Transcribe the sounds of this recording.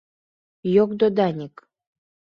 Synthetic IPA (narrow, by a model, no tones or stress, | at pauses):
jok̚d̪od̪ɑnʲik